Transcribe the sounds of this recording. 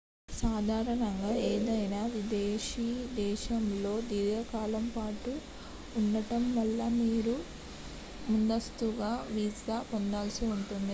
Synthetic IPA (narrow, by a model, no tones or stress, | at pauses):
saːd̪ʱaːɾɐɳɐŋɡaːeːd̪ɐjnaːʋid̪eːʃiːd̪ɛːʃɐmlo̞ːd̪iːɾjɐkaːlɐmpaːʈuː | nːɐʈɐmʋɐlːɐmiːɾu | mund̪ɐst̪uɡaːʋid͡ʒapond̪aːlsiuɳʈund̪i